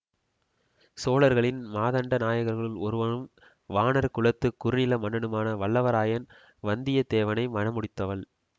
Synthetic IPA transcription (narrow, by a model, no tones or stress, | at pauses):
soːlɐɾɣɐɭɪnmaːðɐɳɖɐnaːjɐɣɐɾɣɐɭɪlɔɾɯʋɐnɯm | ʋaːnɐɾkʊɭɐt̪ːɯkːʊɾɯnɪlɐmɐɳːɐɳɯmaːnɐʋɐɭːɐʋɐɾaːjɐn | ʋɐnd̪ɪjɐt̪eːʋɐnɐɪmɐnɐmʊɽɪt̪ːɐʋɐɭ